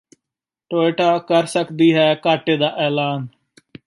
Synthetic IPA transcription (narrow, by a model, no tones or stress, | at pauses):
ʈoːɪʈaːkəɾsəkd̪iːɦɛːkaːʈeːd̪aːʔɛːlaːn